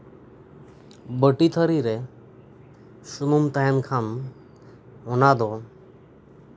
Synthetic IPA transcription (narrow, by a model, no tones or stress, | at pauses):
bəʈit̪ʰəɾiɾɛ | sumumt̪ajankʰan | ɔnad̪ɔ